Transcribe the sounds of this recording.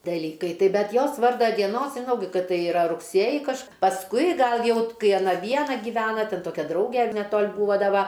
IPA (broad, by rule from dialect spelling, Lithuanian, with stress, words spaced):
dɐˈlʲiːkɐɪ ˈtɐɪp ˈbʲɛt ˈjoːs ˈʋɐrdɐ dʲiɛˈnoːs ʒʲɪˈnɐʊ ˈkɐt ˈtɐɪ ɪˈrɐ rʊkˈsʲeːjɪ kɐʃ pɐsˈkʊɪ ˈɡɐlˠ ˈjɛʊ t ˈkɐɪ ɐˈnɐ ˈʋʲiɛnɐ ɡʲɪˈʋʲæːnɐ tʲɛn ˈtoːkʲɛ ˈdrɐʊɡʲɛ nʲɛˈtoːlʲ ˈbuːʋɐ ˈdɐ ˈʋɐ